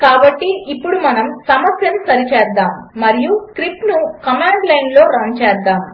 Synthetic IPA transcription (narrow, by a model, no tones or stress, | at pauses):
kaːbɐʈːiipːuɽumɐnɐmsɐmɐsjɐnsɐɾit͡ʃɛːɾd̪aːmːɐɾijukɾipnukɐmaːɳɖlɐjnlo̞ːɾɐːnt͡ʃɛːd̪ːaːm